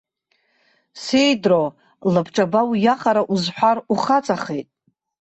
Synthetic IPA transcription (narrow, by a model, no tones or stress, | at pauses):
se̞jdro | lɨbʰʈ͡ʂʼabawjaχaɾaʔuzħʷᶣaruχat͡sʼaχe̞jtʼ